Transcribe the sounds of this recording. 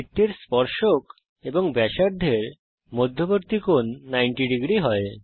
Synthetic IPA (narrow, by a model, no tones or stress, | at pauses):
it̪ːeɾspɔɾʃok | ebɔŋbɛʃaɾd̪ʱeɾ | mod̪ʱːɔbɔɾt̪ikonːajɳʈiɖiɡɾiɦɔe